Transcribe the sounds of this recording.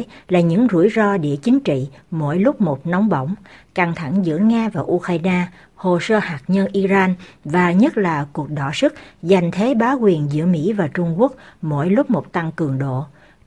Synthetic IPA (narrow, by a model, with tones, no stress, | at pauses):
laː˨˩ɲɨ̰˧˥ŋzṵ˧˩əjzɔ˧ɗḭ˧˨ət͡ɕï˨˦ŋ̟t͡ɕḭ˧˨mo̰˧˥jlʊ˦˥k͡p̚mo˨˩t̚nɔ˨˦wŋ͡mɓə̰˧˨wŋ͡mka˧˩ŋt̪ʰa˧˩ŋzɨ̰˧˥əŋaː˧vaː˨˩ʔu˧xaː˧jnaː˧ | ho˨˩səː˧haː˨˩k̚ɲə˧nʔi˧zaː˧nvaː˨˩ɲə˦˥t̚laː˨˩ku˨˩ək̚ɗɔ˧˩sɨ˦˥k̚za˨˩jŋ̟t̪ʰe˨˦ɓaː˨˦kwi˨˩ənzɨ̰˧˥əmḭ˧˥vaː˨˩t͡ɕʊ˧ŋ͡mku˦˥ək̚mo̰˧˥jlʊ˦˥p̚mo˨˩t̚t̪a˧ŋkɨ˨˩əŋɗo̰˧˨